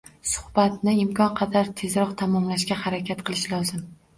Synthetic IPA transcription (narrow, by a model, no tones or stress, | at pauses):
sʊ̥hb̥at̪nɪɪmkʰɒnqʰɑd̪aɾt̪ʰe̞zɾɒqt̪ʰamɒmlaʃkʲahaɾakʲʰat̪qʰɨlˠɪʃlɒzɪm